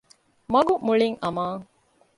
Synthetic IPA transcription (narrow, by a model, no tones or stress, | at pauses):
mɐɡumuɭiŋɐmaːŋ